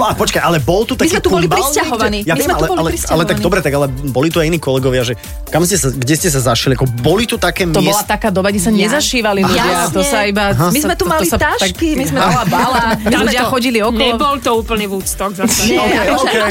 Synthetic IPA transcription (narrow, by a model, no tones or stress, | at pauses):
apɔt͡ʃkajʔalɛbɔlt̪ut̪amikzimɛt̪ubɔlibɾiscaɦɔʋanijaɛmɛlɛbɔlɛɾialɛt̪aɡ̚dɔbɾɛt̪aɡalɛbɔlit̪uajiniːkɔlɛɡɔʋɪaʒɛ | kamscɛsaɡɟɛscɛs̬azaʃliakɔbɔlit̪ut̪akɛːmtɔɔlat̪akaːd̪ɔbaɡɟɛsaɲɛzaʃiːʋaliluɪat̪ɔsaibaɦmizmɛt̪umalist̪aʃkimizmɛɔlabalamizmɛɪɔxɔɟiliɔɔllɛbɔlt̪ɔuːpl̩ɲɛʋuːt͡st̪ɔɡza | kɛ